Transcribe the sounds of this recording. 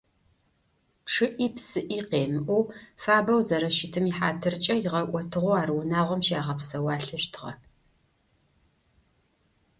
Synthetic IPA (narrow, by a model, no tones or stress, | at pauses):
ʈ͡ʂʰɨʔiːpsɨʔiːqeːmɨʔʷufaːbɐwzɐɾɐʃitʰɨmiħa̰ːtʰɨrt͡ʃʼɐjɪʁɐʔʷʼɔtʰɨʁʷʊaːɾɨwʊnaːʁʷɔmʃaːʁɐpsɐwaːɬɨʃtʰɨʁɐ̰